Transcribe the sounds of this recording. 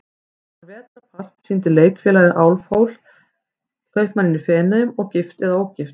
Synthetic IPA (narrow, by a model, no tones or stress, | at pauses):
avɛːt̪ɾapʰar̥t̪sint̪ɪleːjkfjɛːlajðɪʔaːwlfoːwl̥ | sk̪œɥhpmanːɪnifɛːnaðʏmɔɣcɪft̪ɛðaoːwcɪft̪